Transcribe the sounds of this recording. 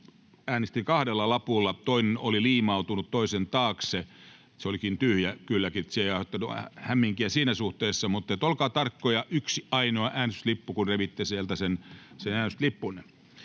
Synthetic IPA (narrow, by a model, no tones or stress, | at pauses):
æːnest̪ikɑhdelːɑlɑpulːɑt̪oinenoliliːmɑut̪unut̪toisent̪ɑːkse | seolikint̪yhjækylːækit̪siejɑhot̪ːɑnuhæmːiŋkiæsiːnæsuht̪eːsːɑmut̪ːet̪olkɑːt̪ɑrkːojɑʔyksiɑinoɑʔæːnst̪lipːukunreʋit̪ːesielt̪æsensenæːnst̪lipːun